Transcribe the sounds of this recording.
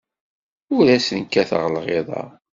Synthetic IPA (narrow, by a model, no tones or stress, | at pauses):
ʊɾæsənkːæθə̰ʁlʁeðˤɑ̰